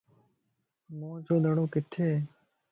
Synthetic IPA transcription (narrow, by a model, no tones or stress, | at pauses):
mõːd͡ʒoːnəɽõːkɪt̪ʰːeː